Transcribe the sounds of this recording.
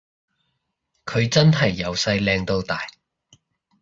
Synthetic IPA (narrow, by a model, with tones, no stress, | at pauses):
kʰɵ˨˧ɥt͡sɐ˥nɦɐ˨˩jːɐ˨˧wsɐ˧jlɛː˧ŋt̪o˧wt̪aː˨˩j